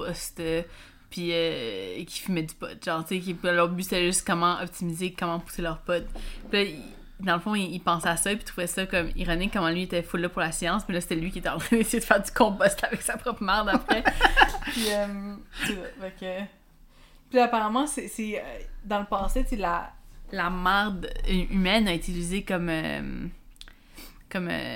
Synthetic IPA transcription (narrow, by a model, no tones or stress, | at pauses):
pɔst̪ | pʰiøkʲʰi̥fimɛd̪ypɔ̰t̪ʒɑ̃t͡sekəp̪lœʁbyse̥t̪ɛʒʏst̪kɔmɑ̃ʔɔpt̪ʰimizekɔmɑ̃pu̥selœʁpɔt̪pilʌi | d̪ɑ̃ləfɔ̃iːpɑ̃sɛasʌpit̪ʁuvɛsʌkɔmḭʁɔnɪkːɔmɑ̃lɥiet̪ɛfʊlːapʊʁlasjɑ̃ːsmɛlʌse̥t̪ɛlɥikʲiet̪ɛɑ̃t̪ʁɛ̃nesejed̪ə̥fæːʁd̪y̥kɔ̃bɔst̪ʰavɛksapχɔpχəmaʁd̪apχɛpiœmsesʌfakø | pilapaʁamɑ̃seseød̪ɑ̃ləpɑ̃set͡sela̰lamaʁd̪ymɛnaet̪it͡sizekɔmø̰m | kɔmø̰